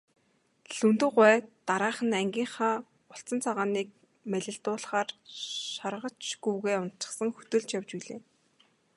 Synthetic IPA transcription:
ɮɵnt̪ɘ̆ɢʷæːt̪aɾaːχə̆næŋɡʲiːɴχaː | ʊɬt͡sə̆nt͡sʰaʁaːniːk̚ | mæɮʲɪ̆ɮt̪ʊːɮχaːrʃarʁə̆t͡ɕɡ̥uwɣeːʊnt̪t͡ɕɪ̥̆χsə̆ŋxɵt̪ɵ̆ɮt͡ɕjawt͡ɕpiɮeː

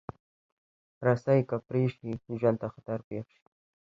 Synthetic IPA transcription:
ɾasajkapɾeʃiʒwand̪t̪axat̪aɾpeːχʃi̥

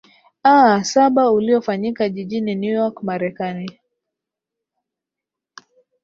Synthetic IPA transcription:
asaɓauliɔfaɲikaʄiʄininjujɔkmaɾɛkani

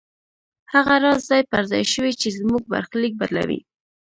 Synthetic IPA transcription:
haɣaɾɑzzɑjpaɾzɑ̰jʃəwit͡ʃezmuɡ̚ba̰ɾxlik̚baɾla̰wḭ

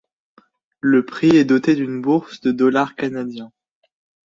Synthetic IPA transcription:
ləpχiɛd̪ɔt̪ed̪ynbuʁsd̪əd̪ɔlaʁkanad̪jɛ̃

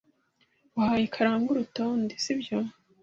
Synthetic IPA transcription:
wahajikʰaɾaːŋɡuɾutoːndisibjo

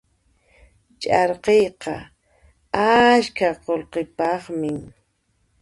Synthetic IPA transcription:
t͡ʃʼɑɾqejqɑ̰ | askaqolqepɑχmɪŋ

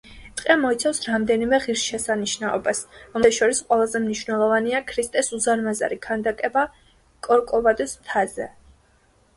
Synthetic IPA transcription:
t̪ʼqʼɛmɔit̪sʰafsɾamd̪ɛnimɛʁiɾsʃɛsaniʃnaɔ̰basɾɔmɛʃɔɾisqʼwɛlˠazɛmniʃvnɛlˠɔvaniakʰɾist̪ʼɛsuzaɾmaza̰ɾikʰand̪akʼɛba | kʼɔɾkʼɔvad̪ʼusmt̪ʰazɛ̰

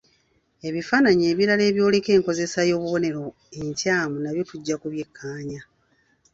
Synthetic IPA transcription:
e̞βifaːnaɲieːβjiɾale̞ːβjo̞ːle̞ke̞ːŋko̞ze̞sajo̞ːβuβo̞ne̞ɾo̞ | eɲcaːmunaβjo̞tuɟːakuβje̞kʰːaːɲa

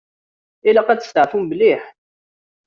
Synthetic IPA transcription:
ilæqæt͡s̪ə̥st̪əʕfumbəliħ

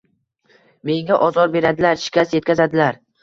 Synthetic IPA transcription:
me̞ŋaʔɒzɒɾbe̞ɾad̪ɪlaɾʃɪ̥kʲʰasje̞t̪kʰʲazad̪ɪlaɾ

